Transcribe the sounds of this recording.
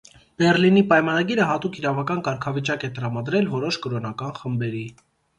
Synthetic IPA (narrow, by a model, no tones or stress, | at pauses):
b̥ɛrlinipɑjmɑnɑɡiɾəɦɑt̪ukʰiɾɑvɑkɑnkɑɾkʰɑvit͡ʃɑkɛt̪əɾɑmɑd̪ɾɛlvɔɾɔʃkɔɾɔnɑkɑnχəmbɛɾi